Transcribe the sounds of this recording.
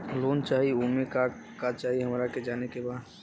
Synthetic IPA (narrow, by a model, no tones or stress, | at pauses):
loːnt͡ʃaːɦiumẽkakat͡ʃaːɦiɦəmɾaked͡ʒaːnekebaːd̪